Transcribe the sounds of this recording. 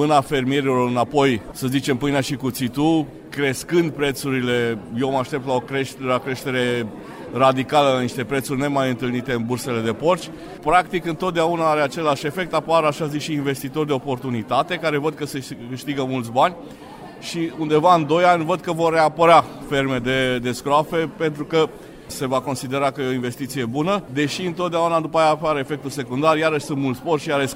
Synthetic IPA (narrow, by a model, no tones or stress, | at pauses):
mɨnafe̞rmie̞ɾilo̞ɾɨnapo̞jsəzit͡ʃe̞mpɨjnaʃikut̪sit̪u | kɾe̞skɨnd̪̚pɾe̞t̪suɾile̞je̞wmaʃt̪e̞p̚t̪lao̞kɾeʃt̪akɾe̞ʃt̪e̞ɾe̞ | rad̪ikaləlaniʃt̪e̞pɾet̪surʲne̞majɨnt̪ɨlnit̪e̞ɨnburse̞le̞d̪e̞po̞rt͡ʃʲ | pɾakt̪ikɨnt̪ot̪̚d̪eaunaaɾe̞at͡ʃe̞laʃe̞fe̞k̚t̪apoaɾaʃazikʃiːnve̞st̪it̪o̞rʲd̪e̞opo̞rt̪unit̪at̪e̞kaɾe̞vəd̪̚kəse̞kɨʃt̪iɡəmult̪s̬banʲ | ʃiund̪e̞vaɨnd̪o̞janʲvəd̪̚kəvo̞rːeapəɾafe̞rme̞d̪e̞d̪e̞skɾoafe̞pe̞nt̪ɾukə | se̞vako̞nsid̪e̞ɾakəjeo̞inve̞st̪it̪sije̞bunəd̪e̞ʃiɨnt̪o̞t̪d̪eaunad̪upajaːpaɾefe̞k̚t̪use̞kund̪arjaɾəʃʲsunt̪mult̪spo̞rt͡ʃijaɾəʃ